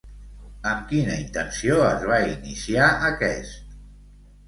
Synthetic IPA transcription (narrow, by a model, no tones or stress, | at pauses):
əmkinəint̪ənsioəzβainisiaʔəkɛst̪̚